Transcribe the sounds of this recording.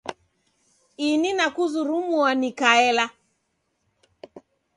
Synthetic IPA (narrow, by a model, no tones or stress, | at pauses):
ininakuzuɾumuanikaɛla